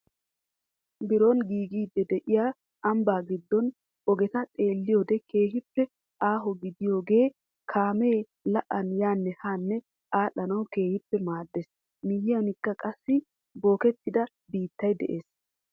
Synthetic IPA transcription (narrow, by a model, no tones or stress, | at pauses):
bɪɾonɡiːɡiːd̪ːɛd̪ɛʔɪjaː | ɐmbaːɡɪd̪ːɔn | ɔɡɛt̪ɐt̪ʼe̞ːlːɪjoːd̪ɛke̞ːɦɪpːɛ | ʔaːɦɔɡɪd̪ɪjo̞ːɡe̞ː | kʰaːmeː | lɐʔɐnjaːnːɛhaːnːɛ | ʔaːᶑɐnɐwke̞ːhɪpːɛmaːd̪ːes | mɪjɪjɐnɪkːɐkʼɐsːɪ | bo̞ːkɛt̪ːɪd̪ɐ | biːt̪ːɐjd̪ɛ̰ʔe̞ːs